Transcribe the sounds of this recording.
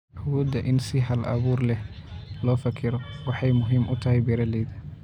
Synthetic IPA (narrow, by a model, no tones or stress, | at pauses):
huːd̪ɐʔɪnsɪɦɐlʔɐ̰βuːrlɛhlɔːfɐkʰɪɾɔwɑħɑjmʊɦiːmʔʊt̪ʰɐɦɛjbɛɾɐlɛjðɐ